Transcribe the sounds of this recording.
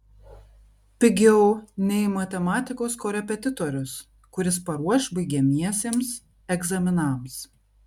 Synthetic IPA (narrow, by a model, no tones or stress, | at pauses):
pʲɪɡʲɛʊnʲɛɪmɐt̪ʲɛmɑːt̪ʲɪkoːskoːɾʲɛpʲɛt̪ʲɪt̪ɔɾʲʊs | kʊɾʲɪspɐɾuɔʃbɐɪɡʲeːmʲiɛsʲeːms | ɛɡzɐmʲɪnɐˑms